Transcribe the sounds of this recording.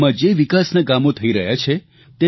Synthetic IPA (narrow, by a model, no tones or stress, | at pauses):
mãd͡ʒeʋikasnaɡamõt̪ʰəiɾəɦjat͡ʃʰe | t̪e